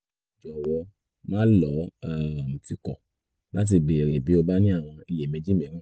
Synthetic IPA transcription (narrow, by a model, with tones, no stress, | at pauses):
d͡ʒɔ˨wɔ˧ | mãː˦lɔ˨˦a˦˨m̩˨ti˧kɔ̰˨ | la˦t̬i˧ɡ͡be˨ɾe˨bi˨˦o˧ba˦nĩ˦a˦˨w̃ɔ̃˧i˧je˨mẽ˨˧˦d͡ʒi˦mẽ˨˦ɾ̃ã˦˨